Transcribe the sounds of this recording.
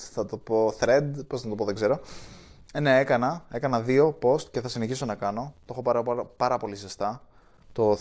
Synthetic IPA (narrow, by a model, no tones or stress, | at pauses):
θɐt̪opo̞θɾed̪poznɐt̪o̞poðeɡze̞ɾo̞ | ne̞e̞kɐnɐe̞kɐnɐðio̞po̞st̪ceθɐsineçiso̞nɐkɐno̞t̪o̞xo̞pɐɾɐppɐɾɐpo̞lisest̪ɐ | t̪o̞